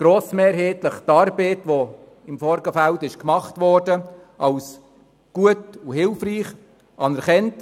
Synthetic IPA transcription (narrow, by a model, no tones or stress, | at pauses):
ɡ̥ɾoːsmeːɾɦeːtləχtɑːɾbeːtʋo | ɪmfɔɾɡəfældɪʃkmɑχtʋɔɾdə | ɑls | ɡ̥uətuɦɪlfriːχ | ʔɑnɛɾχɛnt